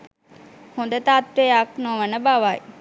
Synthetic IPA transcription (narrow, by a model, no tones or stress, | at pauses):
hõnd̪ət̪aːt̪ʋejaknoʋənəbaʋaj